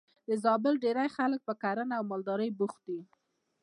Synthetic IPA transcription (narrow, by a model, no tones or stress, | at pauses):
d̪əzɑbɪlɖeɾajxalək̚pəkaɾənaaːwmɑld̪ɑɾəjbuxt̪̚i